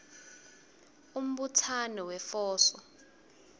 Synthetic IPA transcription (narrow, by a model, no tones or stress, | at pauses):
um̩ɓutʰanɔwɛfɔːsɔ